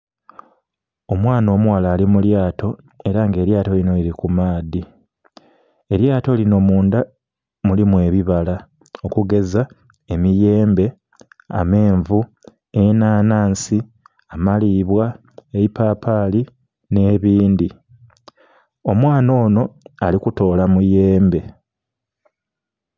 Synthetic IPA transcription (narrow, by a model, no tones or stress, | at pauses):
o̞mwaːno̞ːmuwalaːlimuljaːtʰo̞ | e̞ɾaŋɡe̞ːɾjaːto̞lino̞iɾikumaːdi | e̞ɾjaːto̞lino̞muːnda | mulimwe̞ːβiβala | o̞kuɡe̞za | emije̞ːmbe̞ | a̰me̞ːɱvu | enaːnaːnsi | amaliːβwa | eipaːpaːli | ne̞ːβiːndi | o̞mwaːno̞ːno̞alikuto̞ːlamuje̞ːmbe̞